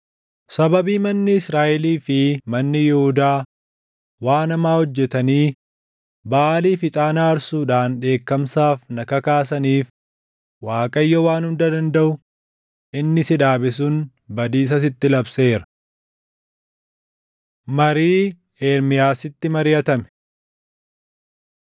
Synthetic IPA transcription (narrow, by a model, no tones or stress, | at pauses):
sɐbɐbiːmɐnːɪsɾaːʔɛliːfɪmɐnːɪjɛhʊd̪aː | waːnɐmaːhɔd͡ʒːɛt̪ɐniː | baːliːfɪt̪ʼaːnaːɐɾsuːᶑaːnᶑe̞ːkːɐmsaːfnɐkɐkaːs̬ɐniːf | waːkʼɐjːɔwaːnhʊnd̪ɐd̪ɐnd̪ɐʔʊ | ʔɪnːɪsɪᶑaːbɪs̬ʊn | bɐd̪iːs̬ɐs̬ɪt̪ːɪlɐbse̞ːɾɐ̥ | mɐɾiː | eːɾmɪjaːsɪt̪ːɪmɐɾɪjɐt̪ɐmɛ̥